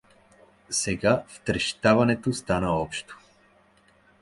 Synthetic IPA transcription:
sɛɡaft̪ɾɛʃt̪avanɛt̪ost̪anaɔpʃt̪o̥

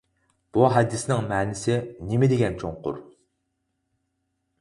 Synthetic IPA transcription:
b̥uɦɛd̪ːɪsnɪŋmɛːnɪsɪnɪmɪd̪ɪɡʲɛnt͡ʃʰoŋqʊ̰ɾ

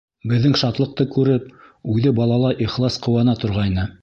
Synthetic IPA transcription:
bɘ̆ðːɘŋʃɑt̪lˠɤ̆q̚t̪ɤkʉɾɘp | ʉðɘbɑlˠɑlˠɑʔiχlˠɑsqŏwɑnɑt̪ŏɾʁɑjnɤ

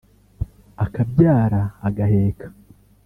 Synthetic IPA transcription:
akabjaːɾaːɡahe̞ːkḁ

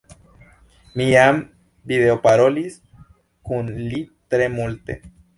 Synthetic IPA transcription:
miam | biðeopaɾolis | kunlit̪ɾemult̪ḛ

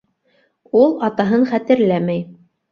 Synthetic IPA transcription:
ulˠɑt̪ɑɦɤɴχæt̪ɘ̆ɾlæmæj

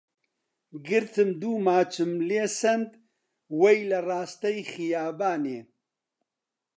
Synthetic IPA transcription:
ɡɨɾt̪ʰɨmd̪uːmaːt͡ʃʰɨmleːsɐnd̪ | wɐjlɐraːst̪ɐjxijaːbaːneː

